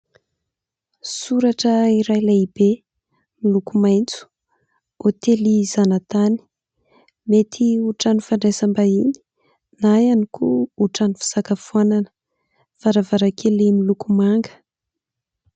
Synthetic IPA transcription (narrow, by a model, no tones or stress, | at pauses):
suɾaʈ͡ʂəiɾajlaibe | milukumajnt͡su̥ | ot̪elizanat̪ani̥ | met̪ʰiuʈ͡ʂanifanɖ͡ʐajsambaini̥ | najanikuuʈ͡ʂanifi̥z̥akafuananə̥ | faɾavaɾakʰelimilukumaŋɡə̥